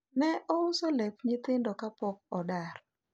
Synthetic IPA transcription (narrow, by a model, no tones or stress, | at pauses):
nɛʔɔʊsolɛpɲɪt̪ɪndɔkapɔk̚ɔdar